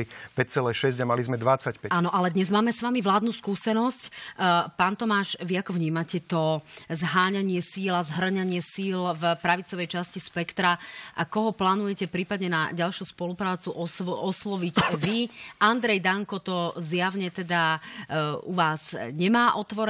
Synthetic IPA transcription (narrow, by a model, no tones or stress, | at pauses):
ipɛc̚t͡sɛlɛʃɛzɟamalizmɛd̪ʋat͡sacpɛaːnɔʔalɛd̪ɲɛzmaːmɛsʋamiʋlaːd̪nuːskuːsɛnɔscpaːnt̪ɔmaːʃʋiakɔvɲiːmacɛt̪ɔzɦaːɲaɲɪɛsiːlazɦr̩ɲaɲɪɛsiːlvpɾaʋit͡sɔʋɛjt͡ʃascispɛkt̪ɾaʔakɔɦɔplaːnujɛcɛpɾiːpad̪ɲɛna̰ɟalʃuspɔlupɾaːt͡suʔɔɔslɔʋicʋiand̪ɾɛjd̪aŋkɔt̪ɔzjaʊɲɛt̪ɛd̪a | uʋaːz̥ɲɛmaːʔɔt̪ʋɔɾɛ